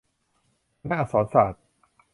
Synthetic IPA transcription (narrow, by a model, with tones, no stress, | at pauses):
naː˥˩sɔː˨˩˦nsaː˨˩t̪̚